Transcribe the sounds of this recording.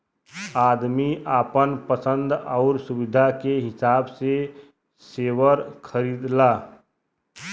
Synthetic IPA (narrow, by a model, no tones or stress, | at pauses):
aːd̪miʔaːpənpəsə̃nd̪ɔʊɾsʊwɪd̪ʱakeɦɪsaːbse | seːwəɾkʰəɾiːd̪laː